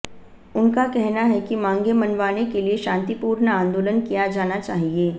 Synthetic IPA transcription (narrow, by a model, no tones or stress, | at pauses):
ʊnkakɛɦnaɦɛkimãːŋɡemɐnʋaːnekelieʃãːnt̪ipuːɾnãːnd̪oːlənkijad͡ʒaːnat͡ʃaːɦieː